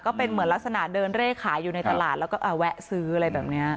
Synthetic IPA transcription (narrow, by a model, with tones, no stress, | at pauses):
kɔː˥˩pe˧nmɯ˩˦nla˦˥k̚sa˧na˨˩dɤː˧nɾeː˥˩kʰaː˩˦jːuː˨˩na˧jt̪a˧laː˨˩t̪lɛː˦˥wkɔː˥˩ʔaː˨˩wɛ˦˥ʔsɯː˦˥a˨˩ɾa˧jbɛː˨˩p̚ni˦˥ɐ